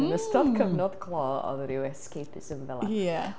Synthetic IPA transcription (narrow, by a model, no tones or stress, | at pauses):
nəstʰɔdkʰəvnɔdkʰlˠɔɔ̰ðɾɪwɛskʰejpʰɪsɪnvɛlˠajɛ